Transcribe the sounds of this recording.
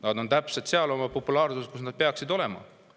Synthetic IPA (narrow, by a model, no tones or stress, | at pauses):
nɑd̪o̞nt̪æpset̪seɑlo̞mɑpo̞pːˑulɑːrsust̪kusnɑd̪̚pe̞ɑksid̪o̞le̞mɑ̰